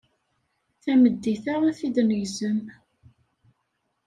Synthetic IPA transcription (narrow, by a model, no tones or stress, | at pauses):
θæməd̪ːiθaʁæθid̪nəʝzəm